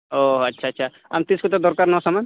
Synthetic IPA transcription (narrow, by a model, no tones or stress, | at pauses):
oːɐtːʃʰaɐtːʃʰa | ɐmt̪ɪskot̪od̪ɔɾkaːɾnɔsɐman